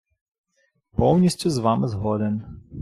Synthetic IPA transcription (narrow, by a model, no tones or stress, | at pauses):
pɔwnʲisʲtʲuzʋamɪzɦɔd̪ɛn